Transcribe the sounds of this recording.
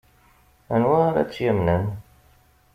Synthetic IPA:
ænwæɾæ̰t͡sːjæmnən

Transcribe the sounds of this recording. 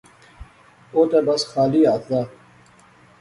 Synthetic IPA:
oːt̪ebɐsxaːliːaːt̪ʰd̪aː

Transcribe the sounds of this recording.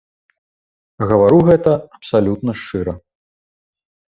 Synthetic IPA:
ɣɐvaɾuɣɛt̪ɐɐpsalʲut̪nɐʂt͡ʂɨɾɐ

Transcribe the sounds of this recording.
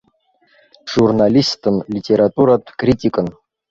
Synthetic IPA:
ʐ̥urnalʲist̪ɨnlʲitʲʰʼeɾat̪ʼuɾat̪ʰʼkrʲitʲikʼən

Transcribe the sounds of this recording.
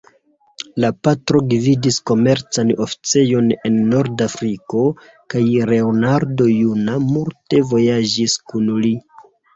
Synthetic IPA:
lapatɾo̞ɡividisko̞me̞ɾt͡sano̞fi̥t͡se̞jo̞ne̞nːo̞ɾdafɾiko̞ | kajɾe̞onaɾdo̞junamulte̞vo̞jad͡ʒiskunli

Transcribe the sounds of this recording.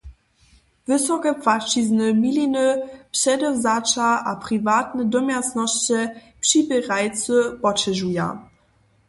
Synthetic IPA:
vɘsɔkɛpfat͡ʃiznəmilinəpɕɛdɔzat͡ʃaapʁivaːt̪nədɔmʲjasnɔɕt͡ɕɛ | pʂibɛʁajt͡səpɔt͡ɕɛʒuja̰

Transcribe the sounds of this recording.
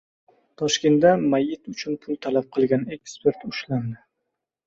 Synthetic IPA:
t̪ʰɒʃkʲe̞nt̪̚d̪amajːɪt̪ʊt͡ʃʰʊnpʰʊlˠt̪ʰalap̚qʰɨlˠɡʲane̞kspe̞ɾt̪ʊʃland̪ɪ

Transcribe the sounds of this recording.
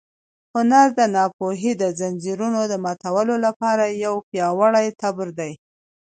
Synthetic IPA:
hʊnaɾd̪ənɑpoɦid̪əzand͡ʒiɾunod̪əmɑt̪awəlolapɑɾajawpjɑwaɽajt̪abɾd̪aj

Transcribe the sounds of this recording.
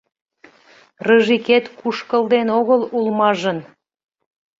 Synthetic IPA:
rəʒiket̪kuʃkəld̪enoɣəlulmɑʒən

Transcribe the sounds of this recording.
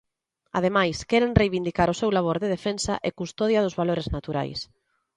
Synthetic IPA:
a̰ð̞emajskɛɾeŋrejβind̪ikaɾʊsewlaβ̞oɾðɪð̞efensa̰ʔekust̪ɔðjaðʊzβaloɾeznat̪uɾa̰js

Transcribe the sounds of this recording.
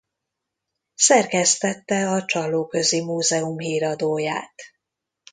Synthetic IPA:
sɛrkɛst̪ɛt̪ːɛɒt͡ʃɒlːoːkø̞zimuːzɛumɦiːɾɒd̪oːjaːt̪

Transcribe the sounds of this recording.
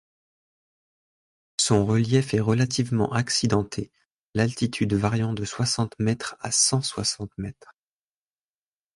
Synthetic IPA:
sɔ̃ʁəljɛfɛʁəlat̪ʰivmɑ̰̃ʔaksid̪ɑ̃t̪ʰe | lalt̪it̪ʰyd̪vaʁjɑ̃d̪əswasɑ̃t̪mɛt̪χa̰sɑ̃swasɑ̃t̪mɛt̪χ

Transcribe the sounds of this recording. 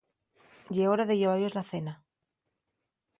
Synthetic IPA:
ɟ͡ʝeoɾaðeʝeβajozlaθe̞na

